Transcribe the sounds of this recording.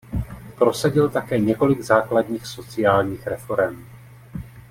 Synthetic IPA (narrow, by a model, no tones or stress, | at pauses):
pɾo̞saɟɪlt̪akɛːɲɛko̞lɪɡzaːkladɲiːxso̞t͡sɪjaːlɲiːxɾɛfo̞ɾɛm